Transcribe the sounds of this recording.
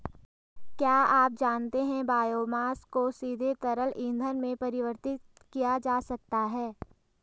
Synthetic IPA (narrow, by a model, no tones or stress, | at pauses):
kjaːaːp̚d͡ʒaːnt̪eɦɛ̃baːjoːmaːskosiːd̪ʱet̪ɐɾəlʔɪ̃nd̪ʱənmẽpɐɾɪʋəɾt̪ɪt̪ | kijad͡ʒaːsɐk̚t̪aɦɛː